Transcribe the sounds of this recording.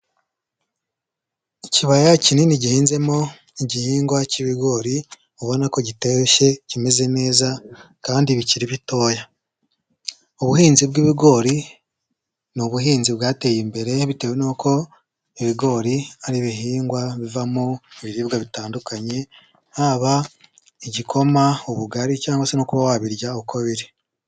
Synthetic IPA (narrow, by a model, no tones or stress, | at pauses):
iciβajacininiɟihiːnze̞mo̞ | iɟihiːŋɡwaciβiɡo̞ːɾi | uβonako̞ɟiteʃe̞cime̞ze̞ne̞ːza | kaːndiβiciɾiβito̞ːja | uβuhiːnzib̚ɡiβiɡo̞ːɾi | nuβuɦiːnzibɡaːte̞jimbe̞ɾe̞βite̞wenokʰo̞ | iβiɡo̞ːɾiaɾiβiɦiːŋɡwaβivamueβiɾiːbɡaβitaːndukaɲe̞ | haβa | iɟikʰo̞mauβuɡaɾicaːŋɡwasenokuβawaβiɾɟaoβukʰoβiɾe